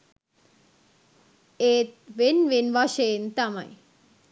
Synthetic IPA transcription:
eːt̪̚ʋenʋinʋaʃeːnt̪ama̰j

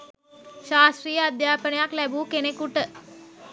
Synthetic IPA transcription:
ɕaːsɾiːjəəd̪japəɳjaklɛbuːkenekuʈə

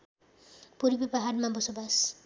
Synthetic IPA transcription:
puɾibebaɦadmabɔsobas

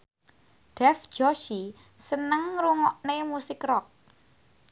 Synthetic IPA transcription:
ɖ̥ɛfd͡ʒ̥ɔʃi | sənəŋɾuŋɔʔnemusɪkrɔk̚

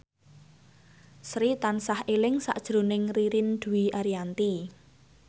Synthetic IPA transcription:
sɾit̪ansahelɪŋsa̰ʔd̥ʒ̥ɾo̤nɪŋriɾind̪̥ṳwiʔaɾiant̪i

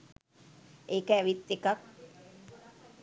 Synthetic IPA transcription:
eːkəæʋit̪ːekak

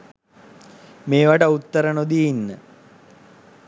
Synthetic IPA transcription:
meːʋaʈəut̪ːəɾənod̪iinːə

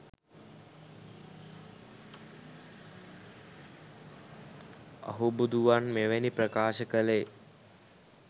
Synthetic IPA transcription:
ə̰ɦubud̪uʋanmeʋenipɾəkaːʃəkəle

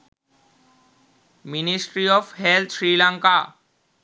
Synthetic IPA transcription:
minisʈɾiɔfɦelt̪ʰʃɾilaŋka

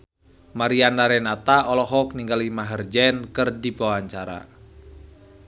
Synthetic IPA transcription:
maɾianːaɾɛnat̪aɔlɔɦɔk̚niŋɡalimaɦərd͡ʒɛnkɨrdibawaɲt͡ʃaɾa̰

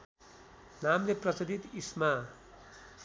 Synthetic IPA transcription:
namleprʌsʌd̪it̪isma

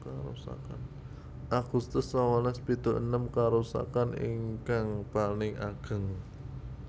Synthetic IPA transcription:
kaɾṵsa̰ka̰n | ʔaɡ̥ust̪ʊsːawalɛspit̪uʔənəmkaɾusa̰kanḭŋkaŋpanɪŋaɡ̥ə̤ŋ

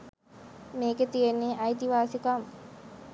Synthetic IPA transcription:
meːket̪ijenːeʔajt̪iʋaːsikam

